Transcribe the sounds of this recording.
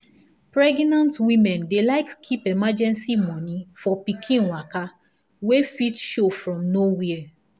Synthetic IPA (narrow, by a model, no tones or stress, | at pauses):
pɹɛɡnãntwĩmɛ̃ndelaɪkʰːipemad͡ʒɛ̃nsimɔ̃nĩfɔpikʰĩnwaka | wefitʃofɹɔ̃mnowia